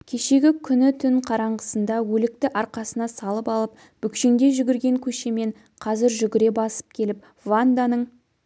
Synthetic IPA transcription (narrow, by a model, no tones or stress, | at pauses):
kʲʰe̞ʃe̞ɡʲɪkʲʰʏnɪt̪ʰʏŋqʰɑɾɑɴʁəsənd̪ɑwɵlɪk̚t̪ɪʔɑɾqɑsənɑsɑlˠəpɑlˠəp̚ | b̥ʏkʃe̞ŋd̪e̞ʒʏɡʲɪɾɡʲe̞ŋkʲʰɵʃe̞me̞ɴ | qʰɑzɪɾʒʏɡʲɪɾe̞bɑsə̥p̚kʲʰe̞lɪp̚ | vand̪anəɴ